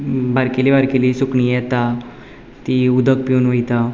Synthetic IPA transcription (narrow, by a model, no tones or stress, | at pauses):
bʱaɾkelibaɾkelisukɳijɛt̪a | t̪iud̪ʱək̚piuːnʋəjt̪a